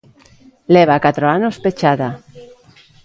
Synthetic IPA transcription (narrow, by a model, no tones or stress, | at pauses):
leβakat̪ɾoanospet͡ʃaða